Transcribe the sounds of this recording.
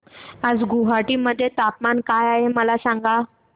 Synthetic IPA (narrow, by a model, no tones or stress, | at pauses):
ad͡zɡuɦaʈiːməd̪ʱːjet̪apmankajaɦeməlasãŋɡa